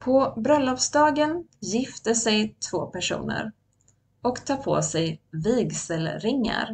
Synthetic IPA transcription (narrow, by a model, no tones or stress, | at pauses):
pʰɔbɾœlːɔfsd̪ɑːɡənjɪft̪əsɛjt̪ʰvo̰ːpæʂṵːnə̰ɾ | ɔkt̪ʰɑːɾpʰo̰ːsɛjviːɡsəlɾɪŋːa̰ɾ